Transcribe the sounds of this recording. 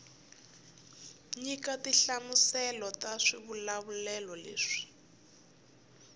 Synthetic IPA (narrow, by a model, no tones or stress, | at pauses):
ɲikatiɬamusɛlɔtaʂiβulaβulɛlɔlḛːʂi̥